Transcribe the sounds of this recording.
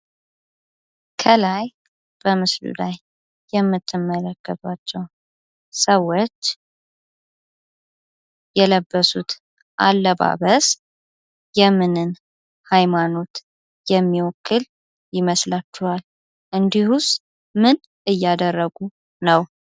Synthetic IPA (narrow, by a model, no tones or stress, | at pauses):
kʰəlaj | b̥əmɨslṵlajː | ɛmːɨt̪ʰːɨmːələkːət̪ʼat͡ʃːɛw | səwːot͡ʃː | jɛləbːəsut̪ | ʔalːəβa̰βəs | jɛmːɨnɨn | hajmano̞t̪ | jɛmːiwɔkʰːɨl | jɪməslat͡ʃːuhal | ʔɨnd̪ihus | mɨn | ɨjːad̪ərːəɡu | nəw